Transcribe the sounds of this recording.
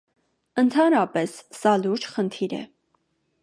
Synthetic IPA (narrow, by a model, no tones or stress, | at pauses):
ənt̪ʰɑnɾɑpɛsːɑluɾd͡ʒχənt̪ʰiɾɛ̰